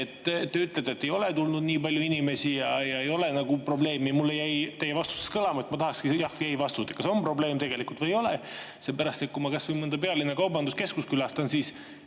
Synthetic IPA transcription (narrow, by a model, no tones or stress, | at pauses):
et̪ːe̞yt̪ːˑld̪et̪ːe̞jo̞le̞t̪ulnud̪niːpɑlʲjuinime̞sijɑjɑe̞jo̞le̞nɑɡupro̞ble̞ːmimulːejæjt̪e̞jːevɑst̪u̥seskɤlɑmɑe̞t̪mɑt̪ɑhɑkskijɑhjæjvɑst̪ut̪ːˑe̥kɑso̞mpro̞ble̞ːmt̪e̞ɡ̥e̞likult̪vɤjo̞le | sepæɾɑst̪ekumɑkɑsvɤjmɤnd̪ɑpe̞ɑlinːekɑwbɑnd̪uske̞skuskylɑst̪ɑnsiːs